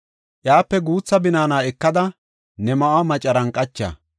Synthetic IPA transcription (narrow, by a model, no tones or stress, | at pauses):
ʔjaːpːɛɡuːt͡sːɐbɪnaːnaːɛkːɐd̪ɐ | nɛmɐʔɐmɐt͡ʃʼɐɾɐŋkʼɐt͡ʃːa̰